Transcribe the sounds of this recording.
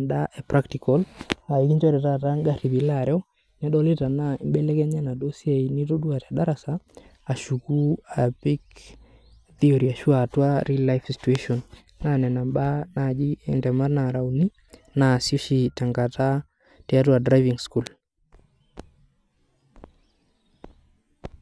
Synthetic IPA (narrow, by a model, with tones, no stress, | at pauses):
nda˦ʔɛ˨pɾa˦ktikɔ˦la˨iki˦ɲd͡ʒwɛ˦ɾɛ˨ta˦ta˦ŋɡa˦ɾi˨bi˨laɾɔ˦ | nɛ˦ɗɔ˦li˦ta˨na˨mbɛ˦lɛ˦kɛ˦ɲɛ˦na˨do˦si˦ɛ˨ini˦to˦du˦a˨taɗa˦ɾa˨saː˦˨ | ʃu˨ku˦a˨bi˦k | θi˦ɔ˨ɾi˨a˨ʃu˦a˨twa˦ɾi˦la˦jfsi̥˨tuɛ˦ʃɔ˨n | na˦nɛ˨na˨mɓa˦na˨d͡ʒi˦ɛ˨ndɛ˨ma˦na˨ɾa˨u˨ni˦ | na˨so˦ʃi˦ta˨ŋɡa˨ta˦ | tɛ˨a˦twa˨dɾa˦jvi˨ŋsku˨l